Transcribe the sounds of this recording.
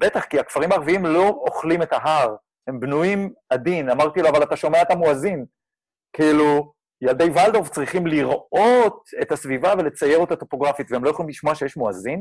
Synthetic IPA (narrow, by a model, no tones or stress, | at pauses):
b̥et̪aχkiakfaʁimaːʁviimlo̞oχlimetaɦaʁ | he̞mbnujimad̪inamaʁt̪iloavalat̪aʃo̞me̞aet̪amoazin | kiilu | jald̪ejvald̪o̞vt͡sʁiχimliʁo̞t̪e̞tasvivave̞le̞t͡saje̞ʁot̪at̪o̞po̞ɡʁafit̪veelo̞jeχolimliʃmoaʃejeʃmoazin